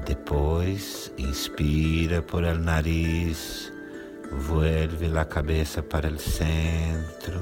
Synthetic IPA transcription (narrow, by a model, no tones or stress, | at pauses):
d̪epojs | ĩnspiɾɐpoɾelnaɾis | vwelvɪlakabesɐpaɾɐelsẽnt̪ɾʊ